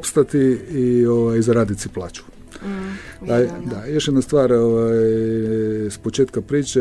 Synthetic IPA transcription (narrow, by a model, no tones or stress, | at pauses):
pst̪at̪iioʋajzaɾaːd̪it̪siplˠaːt͡ʃu̥ | d̪ad̪ajo̞ʃjed̪nast̪ʋaːɾoʋajj | spot͡ʃeːt̪kapɾiːt͡ʃe